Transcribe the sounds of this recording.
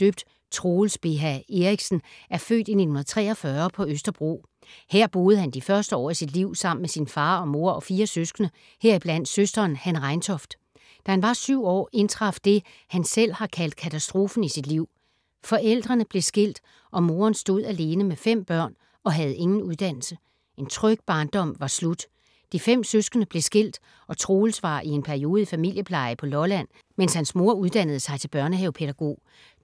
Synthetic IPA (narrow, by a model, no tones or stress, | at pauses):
døb̥d̥ | t͡sʰʁo̝ːlsb̥e̝ɦæe̝ʁiɡ̥sn̩æɐfø̰ːd̥ine̝̥n̩un̩ðˠt͡sʰʁɛ̰ːɒ̽fɶɐpʰɒ̽øsd̥ɐb̥ʁo̝̰ː | heɐ̰b̥o̝ːð̩ˠhænd̥ifɶɐsd̥əɒ̰ːisid̥liʊ̰sɑ̈m̰n̩mesinfɑ̈ːɒ̽mo̝ɐɒ̽fiːɐsøsɡ̥nə | heɐ̰ib̥læn̰d̥søsd̥ɐːnhænʁɑ̈ɪnt͡sʰɒ̽fd̥ | d̥æhænʋɑ̈syʊ̰ɒ̰ːe̝nt͡sʰʁɑ̈fd̥e̝ | hænsel̰hɑ̈kʰæl̰d̥kʰæt͡sʰæsd̥ʁo̝ːfn̩isid̥liʊ̰ | fɒ̽ʔel̰d̥ʁɐnəb̥le̝sɡ̥el̰d̥ | ʔɒ̽mo̝ːɐnsd̥o̝ð̰ˠæle̝ːnəmefem̰b̥ɶɐ̰n | ɒ̽ɦæð̞̩ˠe̝ŋn̩uð̞ˠd̥æn̰l̩sə | e̝nt͡sʰʁœɡ̥̚b̥ɑ̈ːnd̥ɒ̽m̰ʋɑ̈slud̥ | d̥ifem̰søsɡ̥ənəb̥le̝sɡ̥e̝l̰d̥ | ɒ̽t͡sʰʁo̝ːl̩sʋɑ̰̈ːʔie̝npʰæɐio̝ːð̩ˠifæmil̰jəpʰlɑ̈ɪpʰɒ̽lɒlæn̰ | menshænsmo̝ɐ̰uðˠd̥æn̰ð̞̩ˠəsɑ̈ɪt͡sʰe̝lb̥ɶɐnəɦeʊpʰe̝ð̥æɡ̥o̝̰ː